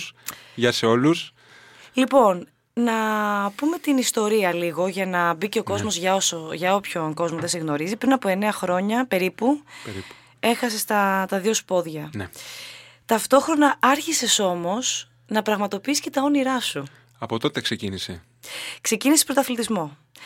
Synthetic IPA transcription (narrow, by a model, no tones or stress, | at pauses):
sʝɐseo̞lus | lipo̞n | nɐpume̞t̪inist̪o̞ɾiɐliɣo̞ʝɐnɐbice̞o̞ko̞zmo̞zʝɐosoʝɐo̞pço̞nko̞zmoðe̞seɣno̞ɾizipɾinɐpoe̞ne̞ɐxɾo̞ɲɐpe̞ɾipuɾ | e̞xɐsest̪ɐt̪ɐðio̞spo̞ðʝɐne | t̪ɐft̪o̞xɾo̞nɐɐɾçise̞so̞mo̞s | nɐpɾɐɣmɐt̪o̞piisce̞t̪ɐo̞niɾɐsu | ɐpo̞t̪o̞t̪eksecinisḛ | kse̞cinisepɾot̪ɐθlit̪izmo̞